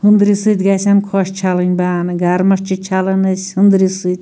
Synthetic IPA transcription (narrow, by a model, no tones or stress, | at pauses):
hɨnd̪ɾisɨt̪ʲɡasʲankʰoʃt͡ʃʰalɨnʲbaːnɨɡaɾmɐʃt͡ʃʰit͡ʃʰalɨnɨsʲhɨnd̪ɾisɨt̪ʲ